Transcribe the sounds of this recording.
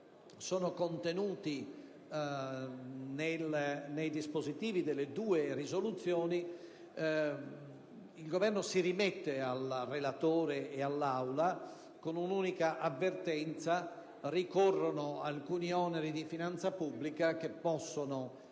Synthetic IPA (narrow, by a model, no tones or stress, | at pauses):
sɔːnokont̪enuːt̪i | nelnejd̪ispozit̪iːvid̪elːed̪uːerizolut̪sːjɔːni | ilɡovɛrnosiɾimɛt̪ːealrːelat̪oːɾeːalːawla | konunuːnikaʔavːert̪ɛnt̪sa | rikɔrːonoa̰lkuːniɔːneɾid̪ifinant̪sapubːlikak̟epːɔsːono